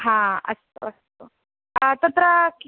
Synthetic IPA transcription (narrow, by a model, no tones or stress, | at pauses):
ɦãə̰st̪o̰ːəst̪o | ət̪ət̪ɾək